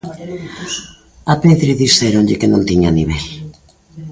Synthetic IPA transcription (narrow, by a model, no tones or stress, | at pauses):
apeðɾiðiseɾonʎɪkenõnt̪iɲaniβ̞ɛl